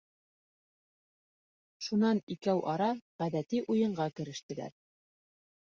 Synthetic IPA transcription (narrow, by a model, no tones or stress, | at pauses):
ʃunɑnikæwʔɑɾɑʁæðæt̪iʔujɤ̆ɴɢɑkɘ̆ɾɘ̆ʃt̪ɘ̆læ̰ɾ